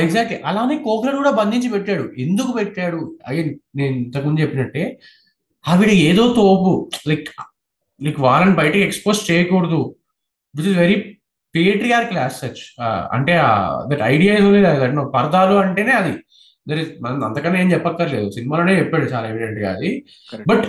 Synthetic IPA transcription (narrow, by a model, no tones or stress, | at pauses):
eɡzaːk̚ʈliʔɐlaːneːkoːkɾɐlkuːɽaːbɐnd̪ʱiɲt͡ʃipɛʈːaːɽuʔe̞nd̪ukupɛʈːaːɽuɐ̰ɡenneːnint̪ɐkmund͡ʒɐt͡ʃepːinɐʈːe̞ː | ɐʋiɽɐeːd̪o̞ːt̪oːpulɐjk | lɐjkʋaːlɐnibɐjɐʈikiekspo̞ːsʈt͡ʃɛːjɐkoːɽɐd̪u | ʋit͡ʃizʋeɾi | pieʈɾijaːɾklaːssɐt͡ʃːɐ̰ɳʈe̞ːa̰ːd̪ɐʈɐ̰jɖijaːizuniɐd̪ɐʈnopɐɾɐd̪aːloːɐɳʈe̞ːne̞ːɐd̪i | d̪ɐɾiɐɐ̰nt̪ɐkɐnːeeːmt͡ʃɛpːɐk̪ːaːɾle̞ːd̪usinimaːlo̞ːne̞ːt͡ʃɛpːaːɽut͡ʃaːlaeʋiɖeɳʈɡa̰ːɐd̪i | bɐʈ